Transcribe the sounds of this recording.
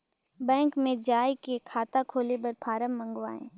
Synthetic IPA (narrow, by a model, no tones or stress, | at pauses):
bɛ̃ːŋkmẽd͡ʒaːjkekʰaːt̪akʰoːlebɐɾpʰaːɾəmːɐ̃ŋɡʋa̰ːḛ̃ː